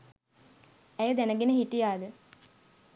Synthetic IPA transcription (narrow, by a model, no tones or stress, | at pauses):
æjəd̪ænəɡenəɦiʈːijaːd̪ə